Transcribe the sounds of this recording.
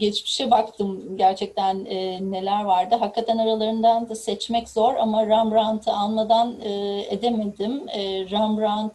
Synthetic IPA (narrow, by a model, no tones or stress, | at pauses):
ɟet͡ʃmi̥ʃɛbakt̪ʰɯmɟæɾt͡ʃʰɛc̚t̪ʰænːe̞lʲæɾvaɾd̪ɯɦakːat̪ʰænaɾalˠaɾɯnd̪and̪asɛt͡ʃmɛcz̥o̞ɾamaɾambɾant̪ʰɯanmad̪anɯːḛd̪eme̞d̪imːɾambɾant̪